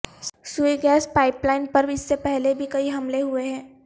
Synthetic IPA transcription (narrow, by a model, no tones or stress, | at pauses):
sueɡɛːspaːɪplaːɪnpɐɾbɪsːepɛɦlebʱikɐiɦɐmleɦueɦɛ̃ː